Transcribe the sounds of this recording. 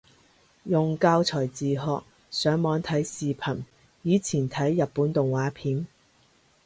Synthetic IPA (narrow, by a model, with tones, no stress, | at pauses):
jʊ˨ŋkaː˧wt͡sʰɔː˨˩jt͡siː˨ɦɔː˨k̚ | sœː˨˥ŋmɔː˨˥ŋt̪ʰɐ˨˥jsiː˨pʰɐ˨˩n | jiː˨˧˥t͡sʰiː˨˩nt̪ʰɐ˨˥jːɐ˨pːuː˨˥nt̪ʊ˨ŋwaː˨˥pʰiː˨˥n